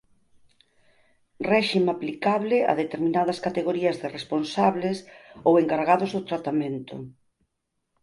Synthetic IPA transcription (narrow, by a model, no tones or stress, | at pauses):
rɛʃimaplikaβlɪa̰ðet̪eɾmĩnaðɐskat̪eɣoɾiɐzðeresponsaβlesoweŋkaɾɣaðʊzðʊt̪ɾat̪amẽnt̪ʊ̰